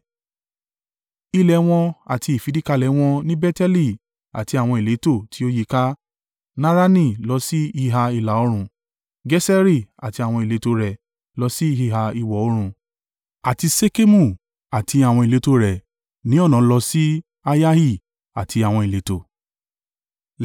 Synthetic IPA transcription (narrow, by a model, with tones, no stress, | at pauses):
i˧lɛ˨w̃ɔ̃˧a˨ti˧i˨fi˨˦di˦ka˧lɛ˨˦w̃ɔ̃˧nĩ˦bɛ˦tɛ˦li˦˨ | a̰˨ti˧a˨w̃ɔ̃˧i˨le˨˦to˦˨tʰi˨˦o˦ji˧˦ka˦ | nã˦ɾa˦nĩ˦˨lɔ˧si˦hi˦ɦa˧i˧˨la˨˦o˧˦ɾ̃ũ˧ | ɡɛ˦sɛ˦ɾi˦˨a˨ti˧a˨w̃ɔ̃˧i˨le˨˦to˧˦ɾɛ˨ | lɔ˧si˦i˦˧hi˧˨ɦa˧i˧wɔ˨o˦ɾ̃ũ˧ | a˨ti˧se˦ke˦mũ˦˨ | a˨tʰi˧a˨w̃ɔ̃˧i˨le˨˦to˦ɾɛ˨ | nĩ˨˦ɔ˦˨nã˨˦lɔ˧si˦ | a˧ja˦hi˦˨ | a̰˨tʰi˧a˨w̃ɔ̃˧i˨le˨˦to˦˨